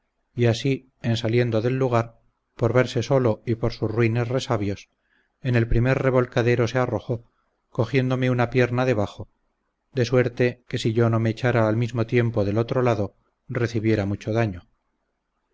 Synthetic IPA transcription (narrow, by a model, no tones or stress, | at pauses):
iasi | ensalje̞nd̪o̞ðe̞lːuɣ̞aɾ | po̞ɾβe̞ɾse̞so̞lo̞ipo̞ɾsusruine̞sre̞saβjo̞s | e̞ne̞lpɾime̞ɾre̞βo̞lkaðe̞ɾo̞se̞aro̞xo̞ | ko̞xje̞nd̪o̞me̞unapje̞ɾnaðe̞β̞axo̞ | d̪e̞swe̞ɾt̪e̞ke̞siʝo̞no̞meːt͡ʃaɾaːlmizmot̪je̞mpo̞ðelot̪ɾo̞laðo̞ | re̞θiβje̞ɾamut͡ʃo̞ðaɲo